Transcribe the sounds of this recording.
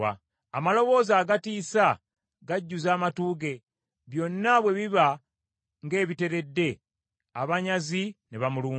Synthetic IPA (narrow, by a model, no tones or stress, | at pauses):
a̰ | amalo̞βo̞ːzaːɡatiːsa | ɡaɟːuzaːmatuːɡe̞ | βjo̞nːaβwe̞βiβa | ŋɡe̞ːβite̞ɾe̞dːe̞ | aβaɲazineβamuluː